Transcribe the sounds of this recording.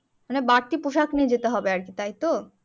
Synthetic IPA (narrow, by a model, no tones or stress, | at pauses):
manebaɾt̪ipoʃaknied͡ʑet̪eɦɔbeaɾkit̪ajt̪o